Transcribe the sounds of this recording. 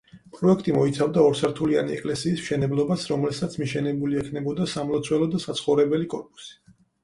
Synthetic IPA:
pʼɾɔɛkʰt̪ʼimɔit̪sʰavd̪aɔɾsʰaɾt̪ʰulia̰niɛ̰kʼlɛsiːsmʃɛnɛblˠɔbasɾɔmlɛsat̪sʰmiʃɛnɛbuliɛkʰnɛbɔd̪asamlˠɔt̪sʰwɛlˠɔd̪asat̪sʰχɔvɾɛbɛlikʼɔɾpʼu̥si̥

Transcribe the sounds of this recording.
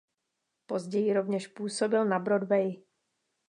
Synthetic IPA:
po̞zɟɛjɪɾo̞vɲɛʃpuːso̞bɪlnabɾodvɛj

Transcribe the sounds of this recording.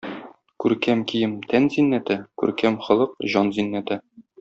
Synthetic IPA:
kʉɾkæmkijɘmt̪ʰænzinːæt̪ɘkʉ̰ɾkæmχɒ̆lˠɤqʑɒnzinːæt̪ɘ

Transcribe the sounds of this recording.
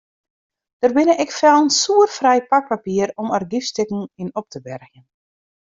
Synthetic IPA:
d̥ərbɪnəʔɪkfɛlˠənsuərfrɛjpak̚papiəɾɔmərɡifstɪkŋ̩inɔp̚tʰəbɛrɣjən

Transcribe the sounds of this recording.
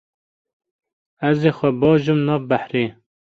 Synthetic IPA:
æzeːxʷɛbɑːʒɨmnɑːvbæħɾeː

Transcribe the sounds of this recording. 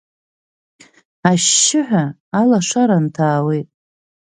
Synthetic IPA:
aʃːɪħʷᶣa | alaʂaɾantʰaːwejtʼ

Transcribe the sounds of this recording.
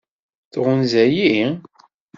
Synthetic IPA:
θʁʊnzæji

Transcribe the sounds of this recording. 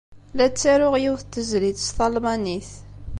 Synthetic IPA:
læt͡sːaɾʊʁjiwθt̪ːəzlit̪st̪ɑlmɑniθ

